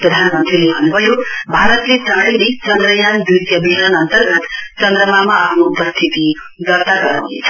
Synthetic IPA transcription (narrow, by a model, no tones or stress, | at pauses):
pɾʌd̪ʱanmʌnt̪ɾilebʱʌnubʱʌjobʱaɾʌt̪lesaɽʌjlet͡sʌnd̪ɾəjanb̪jut̪jʌbʱiɦɾʌnʌnt̪ʌɾɡʌt̪t͡ʃʌnd̪ɾəmamaapʰnoupʌst̪ʰit̪i | d̪ʌɾt̪aɡʌɾa̰wnḛt͡sʰʌ̥